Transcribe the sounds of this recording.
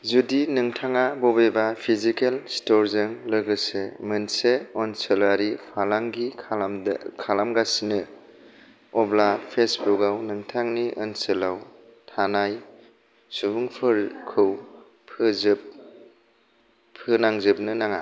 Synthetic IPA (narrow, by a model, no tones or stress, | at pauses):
zudinɯŋtʰaŋabɔbebapʰizikelstɔɾzɯŋlɯɡɯsemɯnseɔnsɯlaɾipʰalaŋɡikʰalamɡasinɯ | ɔblapʰesbukawnɯŋtʰaŋniʔənsɯlaw | tʰanaj | subuŋpʰɯɾkʰɯw | pʰɯz | pʰːɯnaŋzɯp̚nɯnaŋa̰